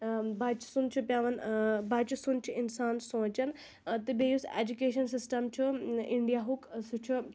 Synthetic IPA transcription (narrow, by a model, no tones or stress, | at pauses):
bat͡ʃsunt͡ʃʰupʲjaːʋɐnbat͡ʃisunt͡ʃʰiinsaːnsõːt͡ʃɐn | t̪ɨbejusḛːd͡ʒukeːʃɐnsisʈɐmt͡ʃʰuiɳɖijaɦuksut͡ʃʰu